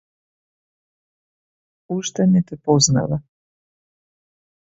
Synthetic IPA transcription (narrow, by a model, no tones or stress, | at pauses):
uʃt̪anit̪ɛpozna̰ʋa